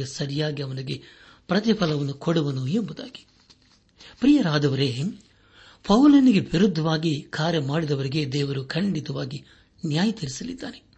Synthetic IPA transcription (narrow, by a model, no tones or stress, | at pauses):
ɐsɐɾijaːɡiɐʋɐniɡe̞pɾɐt̪̬ipʰɐlɐʋɐnːukoɽuʋɐnuembud̪a̰ːɡi̥ | pɾiːjɐɾaːd̪ɐʋɐɾe̞ː | pʰɐwlɐniɡe̞ʋiɾud̪ʱːɐʋaːɡikʰaːɾjɐmaːɽid̪ɐʋɐɾiɡe̞ːd̪ɛːʋɐɾukʰɐɳɖit̪ɐʋaːɡi | njaːjɐt̪iɾisɐlḭd̪ːa̰ːɾe